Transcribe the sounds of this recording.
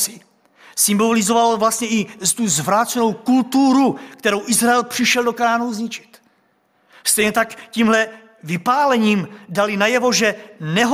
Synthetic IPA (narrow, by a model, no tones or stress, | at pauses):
sɪ | sɪmbolɪzo̞valovlast̪ɲɛʔɪst̪uzvɾaːt̪t͡sɛno̞wkult̪uɾukt̪ɛɾo̞wʔɪzɾaɛlpr̥ɪʃɛldo̞kanaːnuzɲɪt͡ʃɪ̥t̪ | st̪ɛjɲɛt̪akciːmɦlɛ | vɪpaːlɛɲiːmdalinajɛvo̞ʒɛnɛɦ